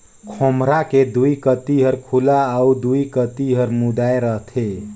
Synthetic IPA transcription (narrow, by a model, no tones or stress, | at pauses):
kʰomɾaked̪uikət̪iɦəɾkʰulaaud̪uikət̪iɦəɾmud̪aeɾəɦt̪ʰe